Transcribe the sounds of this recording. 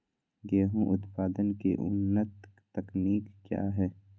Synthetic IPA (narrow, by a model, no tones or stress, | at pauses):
ɡeːɦũʔʊt̪paːd̪ənkeʔʊ̰nːət̪ː | ɐkniːkːja̰ːɦɛː